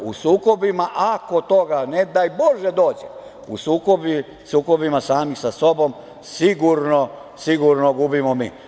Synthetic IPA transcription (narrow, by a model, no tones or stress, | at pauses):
usuːko̞bimaʔako̞t̪o̞ɡaned̪ajboʒed̪o̞ːd͡ʑe | ṵsuːkobi | suːko̞bimasaːmixsaso̞bo̞m | siɡuɾno | siɡuɾnoɡubimomḭː